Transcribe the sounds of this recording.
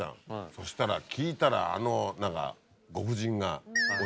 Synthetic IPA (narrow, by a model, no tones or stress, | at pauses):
ã̰so̞ɕi̥t̪aɾakʲiːt̪aɾa̰ːnonãŋka̰ | ɡo̞ɸɯ̟ʑĩŋɡao